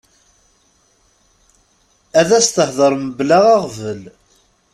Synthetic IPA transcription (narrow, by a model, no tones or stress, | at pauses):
æðæst̪əhðˤəɾˤməblaʁæʁvəl